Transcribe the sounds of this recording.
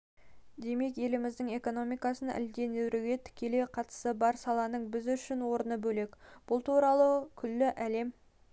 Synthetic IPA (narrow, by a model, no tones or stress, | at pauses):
d̪e̞me̞kje̞lɪmɪzd̪ɪŋe̞ko̞no̞mijkɑsənʔɪ̰ld̪e̞newɾuɡʲe̞t̪ʰɪ̥kʲe̞le̞qʰɑt̪ə̥səbɑɾsɑlˠɑnəɴbɪzʏʃɪnwo̞ɾənəbɵle̞kb̥ʊlˠt̪uɾɑlˠəkʲʰʏlːɪʔæle̞m